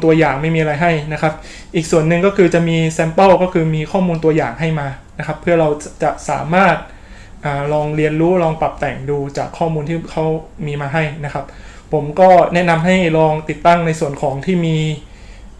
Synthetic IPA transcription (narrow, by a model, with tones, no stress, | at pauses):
t̪u˧ɐjaː˨˩ŋma˥˩jmiː˧ʔa˧a˧jɦa˥˩jna˦˥kʰa˦˥p̚ | ʔiː˨˩k̚su˨˩ənːɯ˨ŋkɔː˥˩kʰɯː˧t͡ɕa˨˩ʔmiː˧sɛ˧mpɤ˥˩wkɔː˥˩kʰɯː˧miː˧kʰɔː˥˩muː˧nt̪u˧ɐja̰ː˨˩ŋɦa˥˩jmaː˧na˦˥kʰa˦˥pʰːɯ˥˩ɐɾa˧wt͡ɕa˨˩sa̰ː˩˦maː˥˩t̪̚ | ʔaː˨˩ɾɔː˧ŋɾi˧ənɾuː˦˥ɾɔː˧ŋpa˨˩p̚t̪ɛː˨˩ŋduː˧t͡ɕa̰ː˨˩kʰːɔː˥˩muː˧nt̪ʰiː˥˩kʰa˦˥wmiː˧maː˧ɦa˥˩jna˦˥kʰa˦˥p̚ | pʰːo˩˦mkɔː˥˩nɛ˦˥ʔna˧mɦa˥˩jɾɔː˧ŋt̪i˨˩t̪ːa˥˩ŋna˧jsu˨˩ənkʰɔː˩˦ŋt̪ʰiː˥˩miː˧